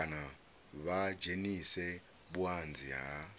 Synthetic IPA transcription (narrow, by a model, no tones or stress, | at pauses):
ana | βad͡ʒenisɛ | buand͡ziɦa